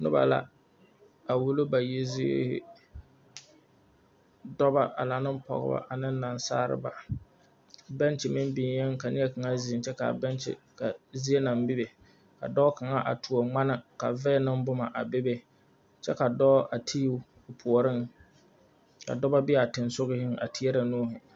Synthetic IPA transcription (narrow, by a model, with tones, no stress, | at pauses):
nʊ̰˦ba̰˨la̰˨ | a˨wu˦lo˦ba˨ji˦zḭ˦hɪ̰˦ | dɔ˦ba˦ʔa̰˨la˨nɨ˦m˦pɔ̰˨ɣɪ̰˦ba̰˦ʔa˨nɪ˦n˦na˨nsa̰ː˦ɾɨ̰˦ba˨ | bɛ˦nt͡ʃɪ˨mɪ˦mbi˨n˨jɛ˦ŋ˦ka˨nɪ˦ɛ˦ka˨ŋa˦zi˨ɪ˨nt͡ʃɛ˦ka̰˨bɛ˦nt͡ʃɪ̰˨ | ka˨zi˦e˦na˨mbɪ˦be˨ | ka̰˨dɔː˦ka˨ŋa˦ʔa̰˨tʰu˨o˨ŋ͡ma˦na˦ka˨vɛ˦nɪ˦m˦bʊ˦ma˨ʔa˨bɪ˦be˨ | t͡ʃɛ˦ka˨dɔː˦ʔa˨tʰi˦˨ | pʰʊ˨ɔ˨ɾɪ˦ŋ | ka̰˨dɔ˦ba˦bi˦a˨tɪ˨nsʊ˦ɣɪ˦hɪ˦ŋa̰˨ti˨˦ɛ˦ɾa˨noː˦ɦʊ˨